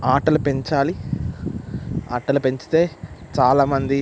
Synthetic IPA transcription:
aːʈɐlupe̞ɲt͡ʃaːli | aːʈɐlupe̞ɲt͡ʃi̥t̪e̞ːt͡ʃaːlaːmɐnd̪i

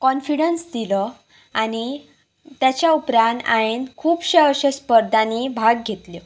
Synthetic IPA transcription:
kɔnfiɽensd̪ilɔ | añi | t̪jat͡ɕjaupɾãna̰enkʰuːpɕẽəɕẽspəɾd̪ʱanibʱaɡɡʱet̪li

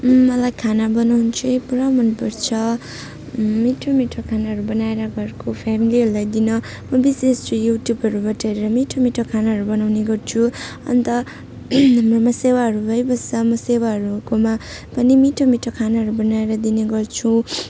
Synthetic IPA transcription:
ʌlajkʰanabʌnawnt͡sʰuepuɾamʌnpuɾt͡sʰʌ | miʈʰomiʈʰokʰanaɦʌɾubʌnaeɾʌɡʌɾkopʰamiliɦʌɾulajd̪inʌ | mʌbisesojuʈjubʱɦʌɾubʌʈʰaɾeɾʌmiʈʰomiʈʰokʰanaɦʌɾubʌnawneɡʌrt͡sʰuʌ̰nt̪ʌ | ɦʌmromʌsewaɦʌɾubʱʌjbʌsʌmʌsewaɦʌɾukoma | pʌnimiʈʰomiʈʰokʰanaɦʌɾubʌnaeɾʌd̪ineɡʌrt͡sʰũ

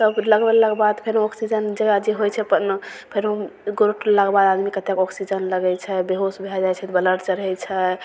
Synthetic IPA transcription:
səbləɡbellakbad̪pʰeɾɦõɔksid͡ʒənd͡ʒəɡad͡ʒeɦojt͡ʃʰɛpənpʰeɾõɡoɾoʈlakbad̪ad̪mikət̪ekɔksid͡ʒənləɡɛt͡ʃʰɛbeɦosbʱeld͡ʒajt͡ʃʰɛt̪bələɾt͡ʃəɾəɦɛt͡ʃʰɛ

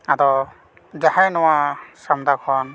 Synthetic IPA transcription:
atɔ | zahajnɔwasamd̪akʰɔn

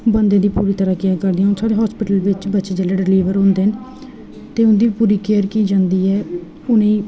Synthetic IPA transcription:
bənd̪ẽːd̪iːpuːɾiːt̪əɾaːkjəkəɾd̪iɛ̃ːnsaːɽeːɦɔːspɪʈəlʋɪt͡ʃbətːʃeːd͡ʒəleːɖɪliːʋəɾɦʊ̃ːnd̪eːɦən | t̪eːʊnd̪iːpuːɾiːkeːəɾkiːd͡ʒãːnd̪iːɛː | ʊnẽː

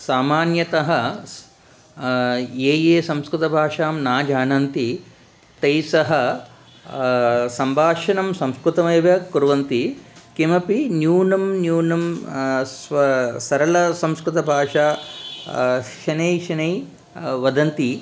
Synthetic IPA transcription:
saːmaːnjɐt̪ɐɦɐ | eːjeːsɐ̃mskɾut̪ɐbʱaːʂaːmnaːd͡ʒaːnɐnt̪i | t̪ɐjsɐɦɐ̆ | sɐmbʱaːʃɐnɐmsɐ̃mskɾut̪ɐmɐːʋjɐkuɾʋɐnt̪ikimɐpinjuːnɐmnjuːnɐm | sɐɾɐlɐsɐ̃mskɾut̪ɐbʱaːʂaː | ʃɐnejʃɐnɐj | ʋɐd̪ɐnt̪i

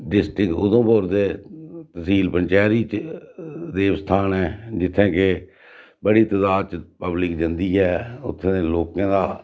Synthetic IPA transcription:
ɖɪsʈɾɪkʊ̰d̪õːpoːɾd̪eːt̪əsiːlpəɲt͡ʃɛːɾiːt͡ʃ | d̪eːʋst̪ʰaːnɛːd͡ʒɪt̪ʰːẽːke | bəɽiːt̪əzaːt͡ʃpəblɪkd͡ʒənd̪iːɦɛːʊ̰t̪ʰːẽeloːkãːd̪aː

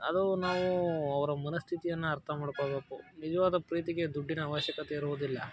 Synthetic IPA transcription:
ɐd̪unaːʋuɐʋɐɾɐmɐnɐst̪ʰit̪ijɐnːuɐɾt̪ʰɐmaːɽkoɭbeːkunid͡ʒɐʋaːd̪ɐpɾiːt̪iɡe̞d̪uɖːinɐaːʋɐʃjɐkɐt̪eiɾuʋod̪ilːɐ̰

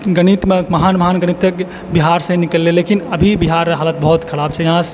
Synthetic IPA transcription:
ɡənit̪meməɦanməɦanɡəñit̪ːek | biɦaɾsə̃nikəlːelekinəbʱibiɦaɾːɦaːlət̪̚bəɦut̪kʰɐɽab̚t͡ʃʰɛjɐɦãs

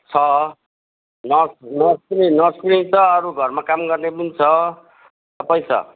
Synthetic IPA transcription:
t͡sʰʌ | nʌsnʌskrinʌskɾiŋt͡sʌʌɾuɡʱʌrmakamɡʌrnebunt͡sʰʌ | t̪ʌpaj̃t͡sʰʌ̰

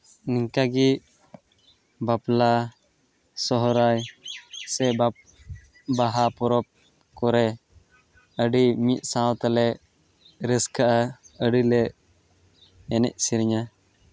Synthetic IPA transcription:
niŋkaɡi | bapla | sɔɦɔɾajsɛba | baɦapɔɾɔp̚ | kɔɾɛ | əɖimit̪̚ˀsãwt̪alɛʔ | ɾɛskaʔaəɖilɛʔ | ɛnɛ̰ʔ̚siɾɲa

